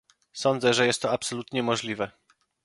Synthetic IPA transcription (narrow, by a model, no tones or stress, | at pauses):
sɔnd̪zɛʐɛjɛst̪ːɔapsɔlut̪ɲɛmɔʐlʲivɛ